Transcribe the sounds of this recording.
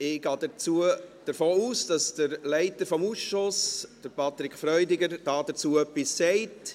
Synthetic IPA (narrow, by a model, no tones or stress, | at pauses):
ɪɡ̥ɑːdət͡suəd̥əɾfoːuːsd̥ɑsd̥əɾlɛɪtəɾfɔmuːsʃʊsd̥əɾpɑt̪ɾɪkʰfɾœʏdɪɡəɾd̥ɑːd̥ət͡suːœpːisːɛɪt